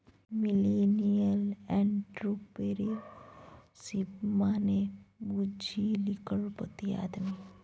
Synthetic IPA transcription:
milenijəlɛɳʈɾupeɾi | sibmaːnebud͡ʒʱilikəɭpət̪ia̰ːd̪mi

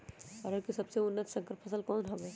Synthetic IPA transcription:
əɾəɾkisɐbseʊnːət̪sə̃ŋkəɾpʰəsəlkɔːnɦɐʋe

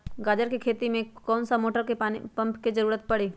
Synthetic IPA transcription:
ɡaːd͡ʒəɾkekʰeːt̪imẽkɔːnsamoːʈəɾkeipɐ̃mpkid͡ʒɐɾuːɾət̪̚pɐɽiː

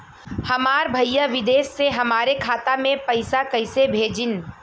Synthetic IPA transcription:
hɐmaːɾbʱɐjjaʋɪd̪eːsːeɦɐmaːɾekʰaːt̪amẽpɐɪsakɐɪsebʱeːd͡ʒɪn

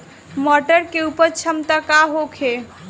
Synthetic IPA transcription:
mɔʈəɾkeupəɾt͡ʃʰəmt̪əkaɦokʰe

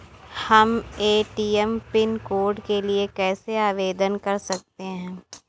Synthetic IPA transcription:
hɐmeːʈiːɛmpɪnkoːɾɖkeliekɛːseaːʋeːd̪ənkɐɾsɐk̚t̪eɦɛ̃ː

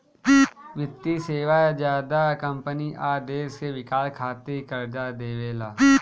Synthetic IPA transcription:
ʋɪt̪ːiseːʋad͡ʒjaːd̪akə̃mpəniʔaːd̪eːsseʋɪkaːlkʰaːt̪ikɐɾd͡ʒad̪eːʋeːlaː

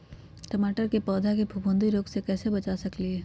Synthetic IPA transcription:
ʈəmaːʈəɾkepɔːd̪ʱakebʱubʊ̃nd̪iɾoːɡsekɛːsebɐt͡ʃasɐklieː

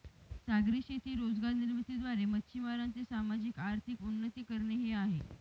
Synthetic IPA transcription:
saɡɾiɕet̪ʰiːɾod͡zɡaɾniɾmit̪id̪ʋaɾemətːɕʰimaɾant͡sesamad͡ʑikaɾt̪ʰikunːət̪iːkəɾɳeɦeaɦe

